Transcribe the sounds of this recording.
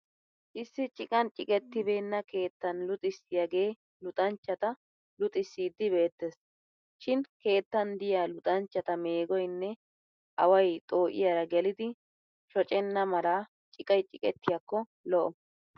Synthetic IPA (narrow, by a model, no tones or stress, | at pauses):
ʔɪsːɪt͡ʃʼɪkʼɐnt͡ʃʼɪkʼɛt̪ːɪbe̞ːnːɐke̞ːt̪ːɐnlʊt̪ʼɪsːɪjaɡe̞ː | lʊt̪ʼɐnt͡ʃːɐt̪ɐ | lʊt̪ʼɪsːiːd̪ːɪbe̞ːt̪ːes | ʃɪnke̞ːt̪ːɐnd̪ɪjaːlʊt̪ʼɐnt͡ʃːɐt̪ɐme̞ːɡɔjnːɛ | ʔɐwɐjt̪ʼo̞ːʔɪ̰jaːɾɐɡɛlɪd̪ɪ | ʃɔt͡ʃʼɛnːɐmɐɾaː | t͡ʃʼɪkʼɐjt͡ʃʼɪkʼɛt̪ːɪjakːɔ | lɔʔɔ